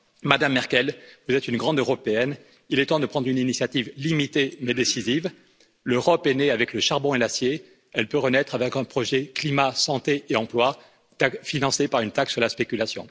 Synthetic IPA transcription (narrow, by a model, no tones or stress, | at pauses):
mad̪amːɛʁkʲɛlvuzɛt̪ynɡʁɑ̃d̪øʁɔpeɛn | ilɛt̪ɑ̃d̪əpχɑ̃d̪ʁyninisjat̪ivlimit̪emɛd̪esiziv | løʁɔpɛneavɛkləʃaʁbɔ̃elasje | ɛlpøʁənɛt̪χavɛkɛ̃pχɔʒɛklimasɑ̃t̪eeɑ̃plwa | t̪akfinɑ̃sepaʁynt̪aksyʁlaspekʲylasjɔ̰̃